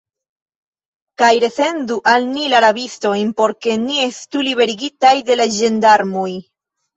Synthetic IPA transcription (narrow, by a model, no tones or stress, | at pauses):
kajɾe̞se̞nduʔalnilaɾabisto̞jnpo̞ɾke̞nie̞stuliβe̞ɾiɡitajde̞lad͡ʒe̞ndaɾmoj